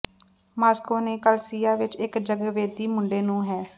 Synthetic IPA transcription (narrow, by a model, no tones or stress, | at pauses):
maːskoːneːkəlsiːaːʋɪt͡ʃɪkd͡ʒəɡʋeːd̪iːmʊɳɖeːnũːɦɛː